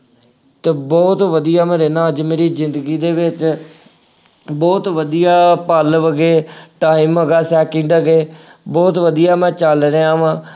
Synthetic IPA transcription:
t̪eːbɔːt̪ʋəd̪ijaːmɛ̃ːɾeːnãːəd͡ʒmeːɾiːzɪnd̪əɡiːd̪eːʋɪt͡ʃ | bɔːt̪ʋəd̪ijaːpəlʋəɡeːʈaːiməɡaːsɛːkɪ̃ːd̪əɡeːbɔːt̪ʋəd̪ijaːmɛ̃ːt͡ʃəlɾeːaːʋãː

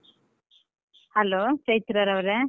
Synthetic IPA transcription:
hɐloːt͡ʃɐjt̪ɾaɾɐʋɾe

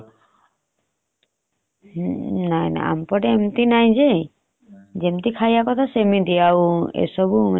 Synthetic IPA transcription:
najna̰a̰mpɔɾeemt̪inajd͡ʑe | d͡ʒemt̪ikʰajakɔt̪ʰasemid̪ijawḛsɔbu

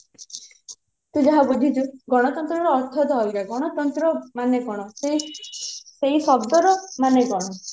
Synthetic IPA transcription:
t̪ud͡ʒɔɦabud͡ʒʱit͡ʃuɡɔɽ̃ɔt̪ɔnt̪ɾɔɾɔːɾt̪ʰɔd̪ɔɦɔlɡaɡɔɽ̃ɔt̪ɔnt̪ɾɔmaneɡɔɽ̃ɔ | seɦisɔb̚d̪ɔɾɔmaneɡɔɽ̃ɔ

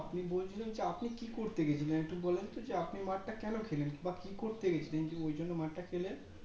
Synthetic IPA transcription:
apnibolt͡ʃʰilend͡ʑeapnikikoɾt̪eɡet͡ɕʰilenekʈukbɔlent̪od͡ʑeapnimaʈʈakɛnokʰelenkĩmbakikoɾt̪eɡet͡ɕʰilend͡ʑeojd͡ʑonːomaʈʈakʰelen

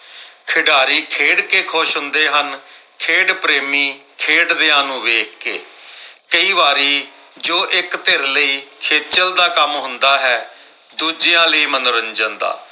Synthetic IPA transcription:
kʰɪɖaːɾiːkʰeːɽkeːkʰoːʃɦʊnd̪eːɦən | kʰeːɖpɾeːmiːkʰeːɖd̪eːãːnũːʋeːkkḛːkəiːʋaːɾiː | d͡ʒoːʔɪkt̪eɾləiːkʰeːt͡ʃəld̪aːkəmɦʊ̃nd̪aːɦɛː | d̪uːd͡ʒɪjãːləiːmənɾəɲd͡ʒənd̪a̰ː

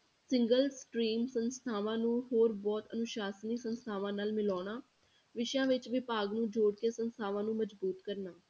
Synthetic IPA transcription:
sɪ̃ŋɡəlsʈɾiːmsənst̪ʰaːʋãːnũːɦoːɾbɔːt̪ə̰nʊʃaːsniːsənst̪ʰaːʋãːnaːlmɪlɔːnaː | ʋɪʃjãːʋɪt͡ʃʋɪpaːɡnũːd͡ʒoːɽkesənst̪ʰaːʋãːnũːməd͡ʒbuːt̪kəɾnaː

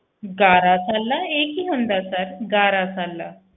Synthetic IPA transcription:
ɡaɾat͡salːaekiɦənd̪asaɾɡaɾat͡salːa̰

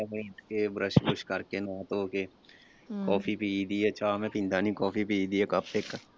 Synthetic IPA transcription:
ɛbɐʈkebɾəʃbʊʃkɐɾkenat̪oːke | kɔːfʰipiiːd̪ieɐt͡ʃʰaːmɛ̃pĩnd̪ʱanĩkɔːfʰipiiːd̪iekapeːkː

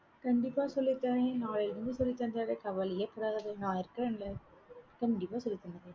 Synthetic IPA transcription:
kɐɳɖɪpːaːsɔlːɪt̪ːaːnẽnaːɭɪlɾɯnd̪ɯsɔlːɪt̪ːɐnd̪aːɣɐkɐʋɐlɪjɐpːɐɽaːɣɐðɯnãːɪɾɯkːɐɾɐnlɐ | kɐɳɖɪpːaːsɔlːɪt̪ːɐnːɐðeː

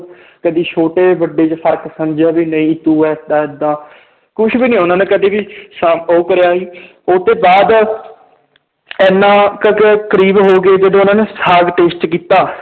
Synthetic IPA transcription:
kəd̪iːt͡ʃʰoːʈeːʋəɖːeːt͡ʃpʰəɾksəmd͡ʒaːbiːnəĩːt̪uːɛːd̪ãːɪd̪ãː | kʊt͡ʃʰbiːnĩːʊnãːneːkəd̪eːbiːsəoːkəɾjaːiː | ʊt̪eːbaːd̪ | ɛːnːãːkəkkəɾiːbɦoːɡeːd͡ʒəd̪õːʊnãːneːsaːɡʈeːsʈkiːt̪aː

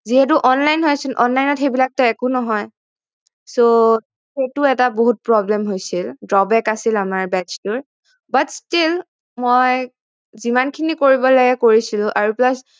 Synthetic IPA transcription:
ziɦɛt̬uʔɔnlajnɦojsilʔɔ̰nlajnɔtxejbilak̚tɔɛkʊnɔɦɔj | so | xetʊɛtaboɦut̚pɹɔblɛmɦojsildɹɔbɛkasilamaɹbɛstʊɹ | batstil | moj | zimankʰinikoɹibɔlaɡɛkoɹisilʊ̃ʔaɹuplɔs

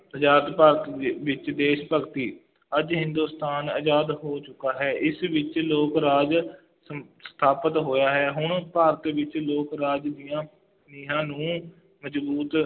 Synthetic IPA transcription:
əd͡ʒaːt̪paːɾət̪ːʋɪt͡ʃd̪eːʃpəɡt̪iː | əd͡ʒɦɪ̃nd̪uːst̪ʰaːnəd͡ʒaːd̪ɦoːt͡ʃʊkaːɦɛːʔɪsʋɪt͡ʃloːkɾaːd͡ʒ | st̪ʰaːpət̪ɦoːjaːɦɛːɦʊɳpaːɾət̪ʋɪt͡ʃloːkɾaːd͡ʒd̪ijãː | niːɦãːnũː | məd͡ʒbuːt̪

